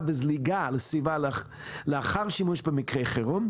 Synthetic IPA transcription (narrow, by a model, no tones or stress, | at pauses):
bɪzliɡalesvival | leaχaʁʃimuʃbəmikʁejχeʁum